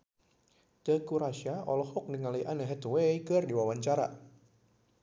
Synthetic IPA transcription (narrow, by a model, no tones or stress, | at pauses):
t̪əkuɾaʃaɔlɔhɔk̚niŋalijʔanəɦɛt̪wejkɨrdiwawaɲt͡ʃaɾa̰